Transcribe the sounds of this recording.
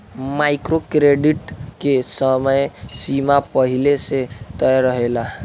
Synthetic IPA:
majkɾokɾeɖiʈkesəməjsimapəɦileset̪əjɾəɦela

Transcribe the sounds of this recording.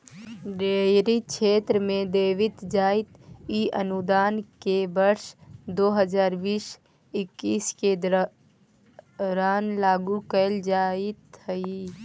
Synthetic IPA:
ɖeːɾikʃʰeːt̪ɾəmẽd̪eːʋɪt̪d͡ʒaːɪt̪iʔənʊd̪aːnkebəɾʃd̪oːɦəd͡ʒaːɾbiːʃ | ɪkːiːsked̪ | ɾaːnlaːɡũkəld͡ʒaːɪt̪ɦəi

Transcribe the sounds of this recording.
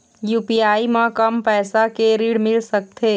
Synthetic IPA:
juːpiaːimãkəmpɛːsakeɾiɽmɪlsək̚t̪ʰe

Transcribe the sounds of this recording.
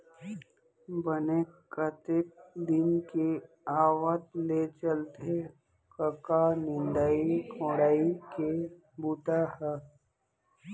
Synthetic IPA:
bənekət̪ɪk̚d̪ɪnke | aːʋət̪let͡ʃəlt̪e | kəkanɪnɖ̪aikʰõːɽaːike | buːʈahɛ

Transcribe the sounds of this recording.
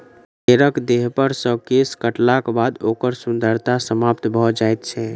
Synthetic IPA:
keɾəkd̪eɦpəɾsə̃keskəʈlakbad̪okəɾsund̪ʱəɾt̪asəmapt̪bʱɔd͡ʒajt̪t͡ʃʰɛ

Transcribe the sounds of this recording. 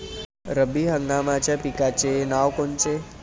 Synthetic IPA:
ɾəbiɦəŋɡamãt͡ʃapikat͡ʃenaʋkont͡ʃe

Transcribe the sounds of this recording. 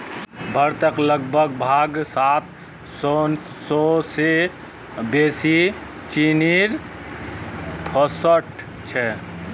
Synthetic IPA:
bʱəɾt̪əkləɡ̚bʱəɡbʱaɡsat̪̚ | sɔn | sɔse | besi | t͡ʃiniɾ | pʰɔsəʈʰ | t͡ʃʰɛ

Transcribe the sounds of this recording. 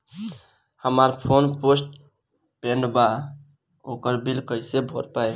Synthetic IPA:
həmaɾpʰonposʈ̚ | peɳɖba | okəɾbilkəjsebʱoɾpaj

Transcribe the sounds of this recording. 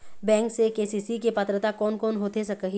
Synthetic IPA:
bɛ̃ːŋksekeːsiːsikepɐt̪ɾət̪akɔːnkɔːnɦoːt̪esɐkəɦi

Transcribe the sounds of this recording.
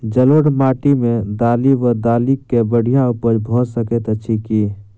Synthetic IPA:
d͡ʒəlwəɽmaːʈimẽd̪aːliʋəd̪aːlikebəɽ̤ijaʊpəɾbʱoːt̪səkət̪ətːʃʰikiː

